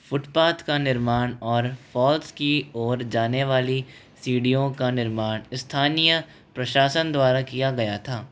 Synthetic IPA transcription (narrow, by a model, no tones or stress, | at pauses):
fʊʈpaːt̪kanɪɾmaːnɔːɾfʰɔːlskiɔːɾd͡ʒaːneʋaːli | siːɖijõkanɪɾmaːɽɪst̪ʰaːnijə | pɾɐʃaːsənd̪waːɾakijaɡɐjat̪ʰaː